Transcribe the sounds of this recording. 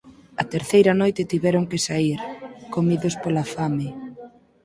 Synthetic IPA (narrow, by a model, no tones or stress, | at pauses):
ɐt̪eɾθejɾɐnojt̪ɪt̪iβɛɾʊŋkesaiɾkomiðʊspolafamɪ